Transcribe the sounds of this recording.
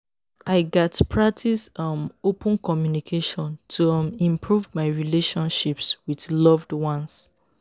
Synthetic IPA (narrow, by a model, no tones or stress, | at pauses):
aɪɡɛtpʰɹak̚tʰisʌmopə̃nkɔmjunikʰeʃɔ̃ntʰumĩmpʰɹuvmaɪɹileʃɔ̃nʃipswidlɔvdwɔ̃ns